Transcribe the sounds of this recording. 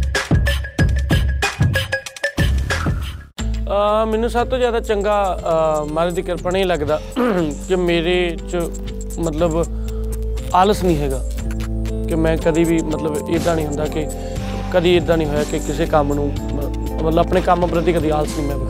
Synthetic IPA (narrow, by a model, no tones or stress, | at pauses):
mɛːnũːsəb̚t̪oːzjaːd̪aːt͡ʃəŋɡaːmaːɾeːd̪iːkəɾpəɳeiːləɡd̪aːkɪmeːɾeːt͡ʃ | mət̪ləb | aːləsnĩːɦɛːɡaː | kɪmɛ̃ːkəd̪iːbiːmət̪ləbɪd̪ãːnĩːɦʊ̃nd̪aːkɪ | kəd̪iːɪd̪ãːnĩːɦoːjaːkɪkɪseːkəmnũː | mət̪ləbəpneːkəmãːpɾət̪̬iːkəd̪iːaːləsnĩːmɛ̃ːbɪ